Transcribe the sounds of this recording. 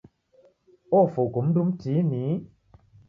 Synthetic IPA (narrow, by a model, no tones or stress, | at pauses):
ɔfoɡumn̩dumtini